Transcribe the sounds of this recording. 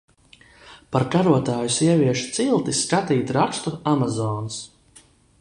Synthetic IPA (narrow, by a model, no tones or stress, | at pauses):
paɾkaɾuɔt̪aːjusiɛviɛʃu̥t̪silˠt̪iskat̪iːt̪ɾakst̪uamazɔːns